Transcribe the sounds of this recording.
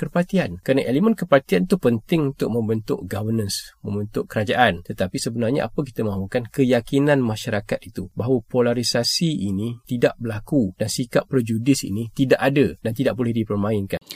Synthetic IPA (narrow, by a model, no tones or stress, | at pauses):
kərpat̪iankəɾanaʔelemənkəpart̪iant̪upənt̪ɪŋunt̪ʊʔ̚mə̃mbənt̪ʊ̰ʔɡavənə̃nsmə̃mbənt̪ʊʔkəɾad͡ʒaʔant̪ət̪apisəbənarɲa̰ʔa̰pək̬i̥t̪əmãɦukankəjakinãnmãʃaɾakat̪̚it̪ubaɦawəpolaɾisasiinĩt̪idaʔbərlakud̥ansikapːərd͡ʒudɪsḭnĩt̪idaʔadədant̪idaʔ̚bolɛhdipərmãɪnkan